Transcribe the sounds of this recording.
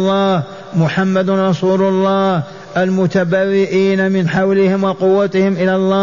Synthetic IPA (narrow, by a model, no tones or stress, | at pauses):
lˤːɑːh | mʊħamːad̪nɾˤɑsuːlʊlˤːɑːh | ʔalmʊt̪abaːwɪʔiːnamɪnħawlɪhɪmwɑqʊwːat̪ɪhɪmʔɪlalˤːɑː